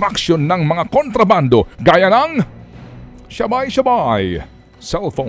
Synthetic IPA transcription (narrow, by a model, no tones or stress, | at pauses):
ɾakʃonːɐŋmɐŋakont̪ɾɐband̪o̞ɡaːjanɐŋ | ʃabajʃabaj | sɛlfo